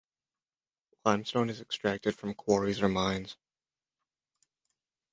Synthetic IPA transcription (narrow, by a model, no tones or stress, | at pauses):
ãɪ̃mstõʊ̃nɨzɨkstɹ̥æk̚tɨd̥fɹʌ̃mkʰw̥ɔɹizəmãɪ̃nz̥